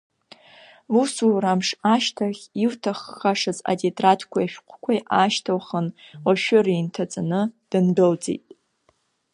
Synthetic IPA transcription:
usuramʂaʃtʰaχʲiwtʰaχːaʂɨza̰detʼratʰkʷʰajaʃᶣqʷʰkʷʰajʔaʃtʰawχənwaʃᶣʊraintʰat͡sʼanɨd̥ɨnbɨld͡zḛjtʼ

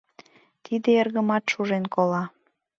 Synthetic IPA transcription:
t̪id̪eerɣəmɑt̪ʃuʒenkolɑ

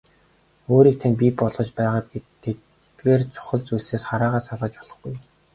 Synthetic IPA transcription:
oːɾiːk̚t̪ʰanpʲipɔɮʁɞ̆t͡ɕpæːʁaːpɡet̪ʰːe | ɡeːrt͡sʰʊ̥χə̆ɮt͡sujɮseːsχaɾaːʁaːsaɮʁə̆t͡ɕpɔɮɞ̆χɡuj

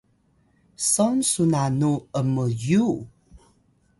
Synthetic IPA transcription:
sɔnsunanuəməju

